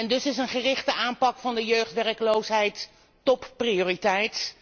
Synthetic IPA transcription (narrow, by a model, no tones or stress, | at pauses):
ɛndɵsɪsənχərɪχtəʔaːnpɑkfɑndəjøɥχtʋɛrkəlowsɦɛjt | tɔpprioːritɛjt